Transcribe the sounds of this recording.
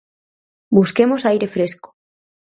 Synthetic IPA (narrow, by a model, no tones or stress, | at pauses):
buskemosajɾefɾesko̥